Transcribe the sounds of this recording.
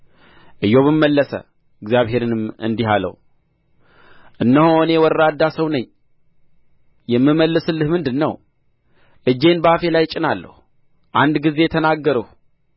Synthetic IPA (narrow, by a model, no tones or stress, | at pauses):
ʔɨjːo̞βɨmːəlːəsə̰ | ɨɡzjaβhe̞ɾɨnɨmɨ̰nd̪iɦalə̰w | ʔɨnːəhoɨne̞wɔɾɾad̪ːasəwnəɲː | jɛmːɨmːəlːɨsɨlːɨhmɨnd̪ɨnːə̰w | ʔɨd͡ʒːe̞nbəafe̞lajt͡ʃʼɪnalːə̰hu | ʔand̪ɡize̞ɛt̪ʰənaɡːəɾəh